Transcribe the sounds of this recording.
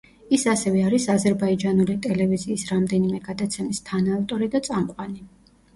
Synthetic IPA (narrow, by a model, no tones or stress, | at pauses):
isasɛvɛaɾisazɛɾbaid͡ʒanulit̪ʼɛlɛviziːsɾamd̪ɛnimɛɡad̪at̪sʰɛmist̪ʰanaːft̪ʼɔɾid̪at̪sʼamqʼwani